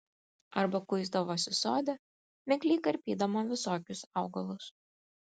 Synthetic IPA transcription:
ɐɾbɐkʊɪzd̪ɐʋoːsʲɪsoːd̪ʲɛ | mʲɛkʲlʲiːkɐɾʲpʲiːd̪ɐmoːʋʲɪsoːkʲʊsɑʊɡɐlˠʊs

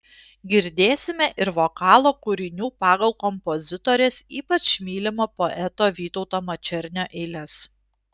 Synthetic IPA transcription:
ɡʲɪɾʲd̪ʲeːsʲɪmʲɛʔɪɾʋoːkɑːlˠoːkʊɾʲɪnʲuːpɑːɡɐlˠkɔmpozʲɪt̪oːɾʲeːsiːpɐt͡ʃʃmʲiːlʲɪmoːpoʔɛt̪oːʋʲiːt̪ɔʊt̪oːmɐt͡ʃʲɛɾʲnʲoːʔɛɪlʲɛs

